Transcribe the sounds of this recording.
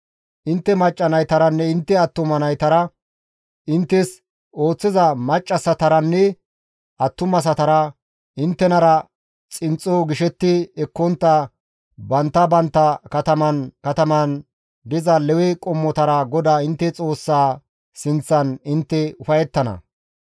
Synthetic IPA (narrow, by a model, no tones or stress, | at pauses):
ʔɪnt̪ːɛmɐt͡ʃʼːɐnɐjt̪ɐɾɐnːɛɪnt̪ːɛɐt̪ːʊmɐnɐjt̪ɐɾɐ | ɪnt̪ːɛs | o̞ːt͡sːɪzɐmɐt͡ʃʼːɐsɐt̪ɐɾɐnːɛ | ɐt̪ːʊmɐs̬ɐt̪ɐɾɐ | ɪnt̪ːɛnɐɾɐ | t͡sʼɪnt͡sʼːoɡɪʃɛt̪ːɪɛkːɔnt̪ːɐ | bɐnt̪ːɐbɐnt̪ːɐkɐt̪ɐmɐnkɐt̪ɐmɐn | d̪ɪzɐlɛwɛkʼɔmːɔt̪ɐɾɐɡɔd̪aːɪnt̪ːɛt͡sʼo̞ːsːaː | sɪnt͡sːɐnɪnt̪ːɛʊfɐjɛt̪ːɐnɐ̰